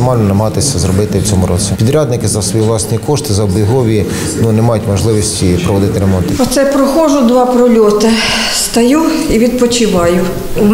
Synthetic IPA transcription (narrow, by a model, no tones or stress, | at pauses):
ɪmɑlʲnɔnɐmɐɦɑt̪ɪsʲɐzɾɔbɪt̪ɪwt͡sʲɔmʊɾɔ̰t͡sʲipʲid̪ɾʲɑd̪nɪkɪzɐsʋɔjiʋlˠɑsʲnʲikɔʃt̪ɪzɐɔbjɦɔʋʲi | nunɛmɑjʊtʲmɔʒlˠɪʋisʲtʲipɾɔʋɔd̪ɪt̪ɪɾemɔnt̪ɪɔt̪sɛpɾɔxɔʒʊd̪ʋɑpɾɔlʲɔt̪ɪ | st̪ɐjuiʋʲid̪̚pɔt͡ʃɪʋɑjʊ